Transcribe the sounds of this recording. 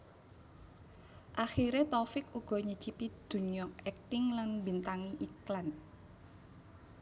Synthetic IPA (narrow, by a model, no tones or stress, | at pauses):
ʔaxiɾet̪ɔfɪkuɡ̥ɔ̤ɲəd̥t͡ʃipid̪̥ṳɲɔk̚ɛk̚t̪ɪŋlanbint̪aŋiʔiklan